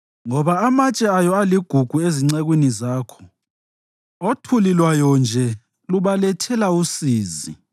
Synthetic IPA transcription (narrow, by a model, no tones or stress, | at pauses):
ŋɔβaamat͡ʃʼɛajɔaliɡ̥ʱuɡ̥ʱueziŋ͡ǀɛɣwinizaːkʰɔ̥ | otʰulilwajɔnd͡ʒʱɛ | luβalɛtʰɛlausiːzḭ